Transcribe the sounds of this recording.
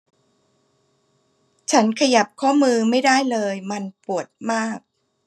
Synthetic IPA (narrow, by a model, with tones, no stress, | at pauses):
t͡ɕʰa˦˥nkʰa˧ja˨˩p̚kʰɔː˥˩mɯː˧ma˥˩jdaː˥˩jlɤː˧jma˧npu˨˩ət̪̚maː˥˩k̚